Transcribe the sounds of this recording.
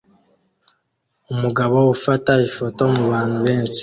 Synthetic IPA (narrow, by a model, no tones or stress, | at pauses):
umuɡaβo̞ufataifo̞to̞muβaːn̥huβe̞ːnsi̥